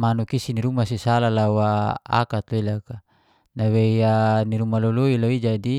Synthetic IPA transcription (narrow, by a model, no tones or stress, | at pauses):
manukisiniɾumasisalalawaa̰kat̪loilaka | naweianiɾumaloloiloid͡ʒadi